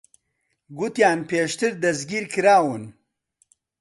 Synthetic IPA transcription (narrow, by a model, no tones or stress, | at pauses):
ɡut̪jaːnpeːʂt̪ɨɾd̪ɐzɡiɾkɾaːwun